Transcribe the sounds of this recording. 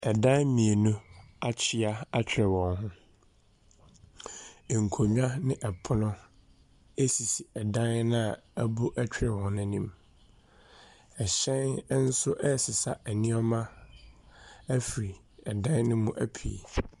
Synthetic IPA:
ɛ˨dã˦mĩ˨e˨nʊ̃˦a˦t͡ɕʰɪ˦a˦a˦t͡ɕʰᶣɾɛ˨wɔ̃˨nɦʊ̃˦˨ | ŋ̩˨kʰo˨ɲᶣ˦ã˦nɪ̃˦ʔɛ˨pʰʊ˦nʊ̃˦ | e˦si˨si˨ɛ˨dã˦n˦nã˦a˨æ˦bu˦ʔɛ˦t͡ɕʰᶣɾɛ˨wɔ̃˨n˦nʊ̃˦nĩ˦m | ɛ˨ɕɛ̃˦n˦n̩˦sʊ˦ʔɛ˦˨sɪ˨sa˨ʔæ˨nĩ˦ɔ˦mã˦ | æ˦fi˨ɾi˨ | ɛ˨dã˦n˦nʊ̃˦mũ˦ʔæ˦pʰḭ˨

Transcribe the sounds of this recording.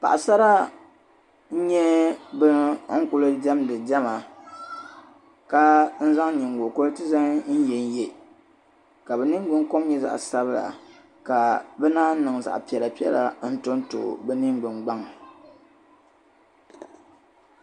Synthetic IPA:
pa̰˨ʔa˨sa˦ɾa˦ | n̩˦ɲɛ˦bɨ˦ŋ̩˦kʊ˦lɨ˦d͡ʒɛ˦mdɨ˨d͡ʒɛ˦ma˨ | ka˦n̩˦za˦ŋ˦ɲi˨ŋ˨ɡo˨ko˦ltɨ˦za˦ŋ˦n̩˦jɛ˨n˦je˨ | ka˨bɛ˨nɨ˦ŋ˦ɡ͡bɨ˦ŋko˦m˦ɲɛ˦za̰˨ʔsa˦βɨ˦la̰˨ | ka˨bɛ˦naː˦nɨ˨ŋ˨za̰˨ʔpi˨ɛ˨la˨pi˦ɛ̰˦la˨n̩˦to˦nto̰˨bɛ˦nɨ˦ŋɡ͡bɨ˨ŋɡ͡ba˦ŋ˨

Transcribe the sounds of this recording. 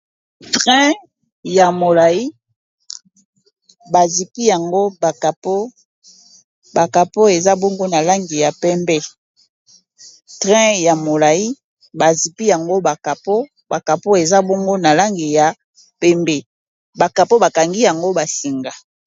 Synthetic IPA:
tʁɛ̃˦ | ja˨mo˨la˨i˦ | ba˨zi˨pi˦ja˨ŋɡo˦ba˨ka˨po˦ | ba˨ka˨po˦e˨za˦bo˦ŋɡo˦na˨la˦ŋɡi˨ja˨pɛ˦mbɛ˦ | tʁɛ̃˦ja˨mo˨la˨i˦ | ba˨zi˨pi˦ja˨ŋɡo˦ba˨ka˨po˦ | ba˨ka˨po˦e˨za˦bo˦ŋɡo˦na˨la˦ŋɡi˨ja˨ | pɛ˦mbe˨ | ba˨ka˨po˦ba˨ka˨ŋɡi˦ja˨ŋɡo˦ba˨si˨ŋɡa˨

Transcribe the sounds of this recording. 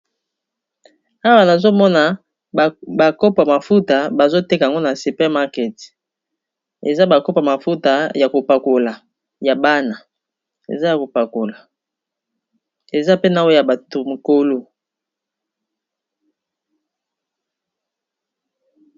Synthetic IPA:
a˦wa˨na˨zo˦mɔ˦na˨ | ba˨ko˦pa˨ma˨fu˦ta˨ba˨zo˦te˦ka˨ŋɡo˦na˨su˨pɛ˦ma˦kɛ˨t | ḛ˨za˦ba˨ko˦pa˨ma˨fu˦ta˨ja˨ko˨pa˨ko˨la˨ | ja˨ba˦na˨ | ḛ˨za˦ja˨ko˨pa˨ko˨la˨ | e˨za˦pe˦na˨wo˦ja˨ba˨to˨mo˨ko˦lo˦

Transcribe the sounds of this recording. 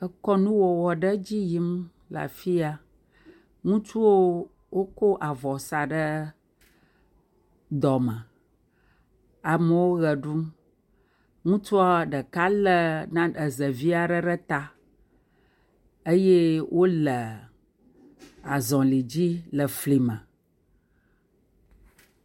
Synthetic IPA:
ə˨kɔ˦nũ˦wɔ˨wɔ˨ɖə˦d͡ʑi˦ji˦m | la̰˨fi˦a˦ | ŋũ˦t͡ʃu˦wo˦ | wo˦ko˦ʔa˨vɔ˨sa˨ɖə˦ | d̪ɔ˨mə̃˨ | a˨mə˨wo˦ɣə˨ɖu˦m | ŋũ˦t͡ʃu˦a˦ɖə˨ka˦lə˦nã˦ɖə˨zə˨vi˦a˨ɖə˦ɖə˦t̪a˦ | ə˦je˦wʔo˦lə˨ | a˨zɔ̃˨li˨d͡ʑi˦lə˨fli˨mə̃˨

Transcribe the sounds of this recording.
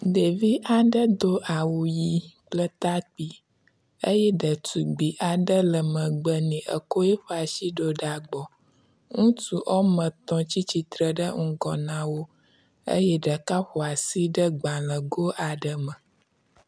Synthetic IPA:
ɖe˨vi˦ʔa˨ɖə˦d̪o˦ʔa˨wu˨ji˦k͡plə˦t̪a˦k͡pi˦ | ə˦jɛ˦ɖə˨tu˨ɡ͡bi˨ʔa˨ɖə˦lə˨mə̃˨ɡ͡bə˨nĩ˨ʔə̰˨ko˦jɛ˦ɸə˦a˨ʃi˦ɖo˦ɖa˨ɡ͡bɔ˨ | ŋũ˦tu˦ʔɔ˦mə̃˨t̪ɔ̃˨t͡ɕi˦t͡ɕi˨t̪ɾə˨ɖə˦ŋ̩˦ɡɔ˨nã˦wo˦ | ə̰˦jɛ˦ɖə˨ka˦ɸo˨a˨si˦ɖə˦ɡ͡bã˨lə˨ɡo˦ʔa˨ɖə˦mə̃˨

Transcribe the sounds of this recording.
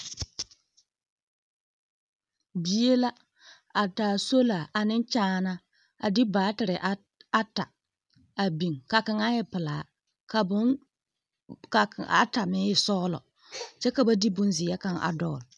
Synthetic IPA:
bi˨e˦la˦ | a˨taː˨so˦la˨ʔa˨nɪ˦n˦t͡ʃaː˦na˦ | a̰˨di˦baː˨˦tɪ˨ɾɪ˨ʔ | a˦ta˨ | a˨bi˨ŋka˨kɪ˨ŋa˦jɪ˨pɪ˨laː˨˦ | ka˨bʊ˦n | ka˨ka̰˨˦ta˨mɪ˦jɪ˨sɔː˦lɔ̰˨ | t͡ʃɛ˦ka˨ba˦di˦bʊ˦nzɪ˨ja˦ka˦˨ŋʔa̰˨dɔː˦˨l

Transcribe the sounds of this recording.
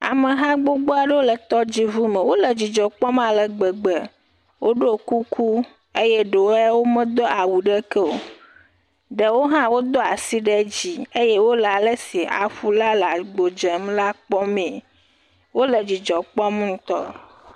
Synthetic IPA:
a̰˨me˨ɦã˦ɡ͡bo˦ɡ͡bo˦a˨ɖe˦wo˦lə˨t̪ɔ˦d͡ʑi˦vu˦mẽ˨wo˦lə˨d͡ʑi˨d͡ʒɔ˨k͡pɔ˦mã˨lə˨ɡ͡bə˨ɡ͡bə˨ | wʔo˦ɖo˦ku˦kʰu˦ | e˦jɛ˦ɖe˨wɛ˦wo˦mə̃˦d̪ɔ˦a˨wu˨ɖə˦kə˦o̰˨ | ɖə˨wo˦ɦã˦wo˦d̪ɔ˦a˨si˦ɖe˦d͡ʑi˨e˦je˦wo˦la˨lə˦si˨a̰˨ɸu˦la˦la˨ɡ͡bo˨d͡ʒə˨m˦la˦k͡pɔ˦mẽ˨ | wo˦lə˨d͡ʑi˨d͡ʒɔ˨k͡pɔ˦m˦ŋũ˦t̪ɔ̰˦

